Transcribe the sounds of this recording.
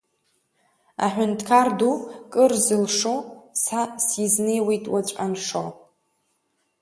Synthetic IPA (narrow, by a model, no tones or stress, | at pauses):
a̰ħᶣʷʊntʰkʰardukʼɨrzɨlʂosasizne̞jwijtʼwat͡ɕʷʼanʂo